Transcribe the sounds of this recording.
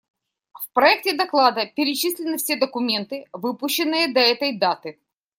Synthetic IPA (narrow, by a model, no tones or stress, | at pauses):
fpɾɐɛk̚tʲɪd̪ɐklˠad̪əpʲɪɾʲɪt͡ɕisʲlʲɪnːɨfsʲe̞d̪əkʊmʲe̞nt̪ɨvɨpʊɕːɪnːɨjəd̪ɐɛt̪əjd̪at̪ɨ